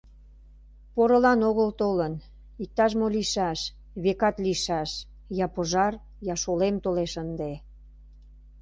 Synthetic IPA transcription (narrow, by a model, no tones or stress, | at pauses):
poɾəlɑnoɣəlt̪olən | ik̚t̪ɑʃ̬moliʃɑʃ | βekɑt̪liʃɑʃ | jɑpoʒɑr | jɑʃolemt̪oleʃənd̪e